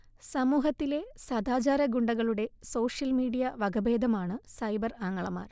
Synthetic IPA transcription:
sɐmuːɦɐt̪ːile̞sɐd̪aːd͡ʑaːɾɐɡuɳɖɐɣɐɭuɽe̞so̞ːʂjɐlmiːɽijɐʋɐɡɐbe̞ːd̪ʱɐmaːɳɨsɐjbɐraːŋːɐɭɐma̰ːr

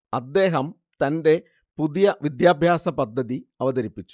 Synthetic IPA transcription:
ɐd̪ːe̞ːɦɐm | t̪ɐnde̞ | puðijɐʋid̪jaːbʱjaːsɐpɐd̪ʱːɐðiɐʋɐðɐɾipːit͡ɕːu̥

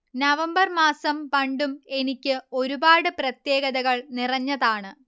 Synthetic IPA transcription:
nɐʋɐmbɐrmaːsɐmpɐɳɖume̞nikʲːɨo̞ɾubaːɽɨprɐt̪jeːɣɐðɐɣɐɭnirɐɲːɐðaːɳɨ

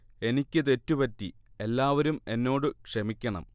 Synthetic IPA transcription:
e̞nikʲːɨt̪e̞tːupɐtːie̞lːaːʋɐɾume̞nːo̞ːɽɨkʂemikʲːɐɳɐ̰m

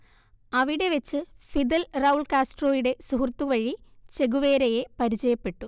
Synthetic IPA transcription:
ɐʋiɽe̞ʋet͡ɕːɨfid̪elrɐuɭkaːsʈro̞ːjiɽe̞suɦurt̪ːuʋɐɻit͡ɕe̞ɡuʋe̞ːɾɐje̞pɐɾit͡ɕɐjɐpːe̞ʈːu

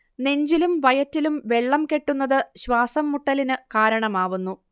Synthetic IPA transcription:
ne̞ɲd͡ʑilumʋɐjɐtːilumʋe̞ɭːɐmke̞ʈːunːɐðɨɕʋaːsɐmːuʈːɐlinɨkaːɾɐɳɐmaːʋunːu

